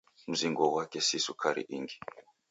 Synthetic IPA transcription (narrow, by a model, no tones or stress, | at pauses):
m̩ziŋɡɔwakɛsisukʰaɾḭʔḭŋɡi